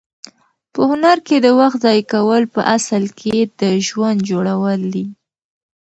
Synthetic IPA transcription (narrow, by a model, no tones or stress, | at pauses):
pəhʊnaɾked̪əwaxt̪zɑjkawəlpəʔasəlkʰed̪əʒwand̪̚d͡ʒoɽawəld̪i